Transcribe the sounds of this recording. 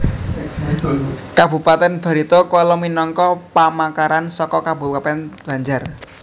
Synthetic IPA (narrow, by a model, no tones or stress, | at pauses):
kabṳpat̪ɛnb̥a̤ɾit̪ɔkɔlɔminɔŋkɔpamakaɾansɔkɔkabṳpat̪ɛnb̥a̤ɲd͡ʒar